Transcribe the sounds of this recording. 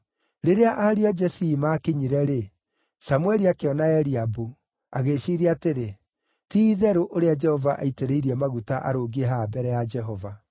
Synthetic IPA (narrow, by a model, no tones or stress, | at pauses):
ɾeɾeaʔaɾiad͡ʒɛsiːmaːkeɲiɾɛɾe | samwɛɾiakeɔnaɛɾiabu | aɣeʃiːɾeateɾe | tiːðɛɾoʔoɾead͡ʒɛhɔvaʔa̰iteɾeiɾiɛmaɣutaʔa̰ɾoːɡiɛɦabɛɾɛjad͡ʒɛɦɔva